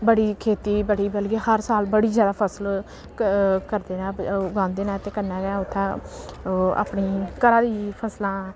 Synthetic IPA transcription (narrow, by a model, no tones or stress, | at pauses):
bəɽiːkʰeːt̪iːbəɽiːbəlɡeːhəɾsaːlbəɽiːd͡ʒjaːd̪aːpʰəsl | kəɾd̪eːnãːɡãːnd̪eːnãːt̪eːkənãːɡɛʊt̪ʰːãː | a̰ːpɳiːkəɾaːd̪iːpʰəslãː